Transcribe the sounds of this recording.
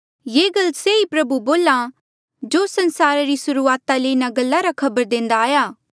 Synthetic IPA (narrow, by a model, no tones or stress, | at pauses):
jeːɡɐlseipɾɐbuboːla | d͡ʒoːsɐ̃nsaːɾaɾisʊɾuaːt̪aleːɪnaɡɐlːaɾakʰɐbəɾd̪ẽːnd̪aːjaː